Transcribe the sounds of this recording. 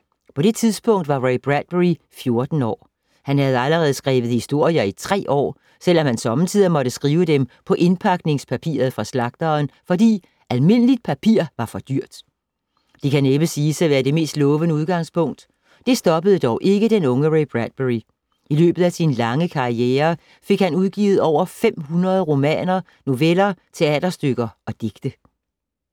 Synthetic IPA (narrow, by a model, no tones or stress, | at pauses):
pʰɒ̽ɾ̥e̝t͡sʰiðˠsb̥ɔ̽ŋ̰d̥ʋɑ̈ʁeb̥ʁæd̥̚b̥eʁi | fjo̝ɐd̥n̩ɒ̰ː | hænhæð̞ˠæləʁɛːð̞̩ˠsɡ̥ʁɛ̰ːʋð̩ˠhisd̥o̝ɐ̰jɐit͡sʰʁɛ̰ːɒ̰ː | sel̰ɒ̽mhænsɒ̽mənt͡sʰið̰ˠɐmɒ̽ɾ̥əsɡ̥ʁiːʊəd̥empʰɒ̽ʔe̝npʰɑ̈ɡ̥ne̝ŋspʰæpʰḭːɐð̩ˠfʁɑ̈slɑ̈ɡ̥̚d̥ɐːnfɒ̽d̥ḭː | ʔælme̝n̰əlid̥̚pʰæpʰiɐ̰ʋɑ̈fɒ̽d̥yɐ̰d̥ | d̥ikʰæneb̥əsiːsæʋæːɐd̥e̝me̝̰ːsd̥lɔ̽ːʋənəuð̞ˠɡ̥ɑ̈ŋ̰spʰɔ̽ŋ̰d̥ | d̥e̝sd̥ɒ̽b̥əð̞̩ˠəd̥ɒʊʔe̝ɡ̥əd̥enɔ̽ŋəʁeb̥ʁæd̥̚b̥eʁi | ʔilø̰ːb̥ð̩ˠæsinlɑ̈ŋəkʰɑ̈ieːɐ | fe̝ɡ̥hænuðˠɡ̥ḭːʊð̞̩ˠɒʊ̰ɐfem̰hunʁɐð̞ˠʁo̝mɛ̰ːnɐ | no̝ʋelɐt͡sʰe̝ɛ̰ːd̥ɐsd̥øɡ̥ɐɒ̽d̥e̝ɡ̥d̥ə